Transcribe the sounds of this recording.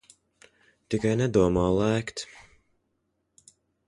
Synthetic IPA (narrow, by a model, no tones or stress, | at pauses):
t̪ikajnɛd̪uɔmaːlˠæːkt̪